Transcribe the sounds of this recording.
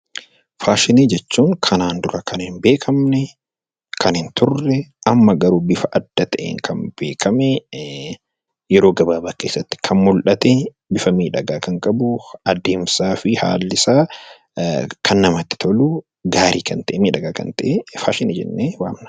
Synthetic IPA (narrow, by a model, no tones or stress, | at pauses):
faːʃɪniːd͡ʒɛt͡ʃːuːŋkʰɐnaːnd̪ʊɾɐkʰɐnɪnbe̞ːkʰɐmnɛ | kʰɐnɪnt̪ʊrːɛʔɐmːɐɡɐɾuːbɪfɐʔɐd̪̥ːɐt̪ɐʔḛːŋkʰɐmbe̞ːkʰɐmɛ | jɛɾoːɡɐbaːbaːke̞ːsːɐt̪ːɪ̥kʰɐnmʊlʔɐt̪ɛ | bɪfɐmiːᶑɐɡaːkɐŋkʼɐbʊɐd̪e̞ːmsaːfɪha̰ːlːɪsaː | kʰɐnːɐmɐt̪ːɪ̥t̪ʰɐlʊ | ɡaːɾʔiːkɐnt̪ɐʔɛmiːᶑɐɡaːkɐ̰nt̪ɐʔefaːʃɪneːd͡ʒɛ̰nːeːwaːmnɐ̥